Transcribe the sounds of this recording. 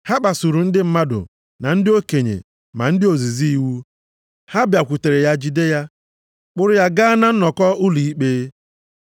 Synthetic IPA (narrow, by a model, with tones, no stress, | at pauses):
ha˦k͡pa˨su˨ɾu˨n̩˦dɪ˦m̩˦ma˦dʊ̰˨ | na˨n̩˦dɪ˦o˦ke˨ɲḛ˨ | ma̰˨n̩˦dɪ˦o˨zi˨zi˦i˨wu˦ | ha˦bja˨kʷu˨te˨ɾe˨ja˦d͡ʒi˦de˦ja˦ | k͡pʊ˦ɾʊ˦ja˦ɡaː˦na˦n̩˦nɔ˨kɔ˦ʊ˦li˨i˦k͡peː˦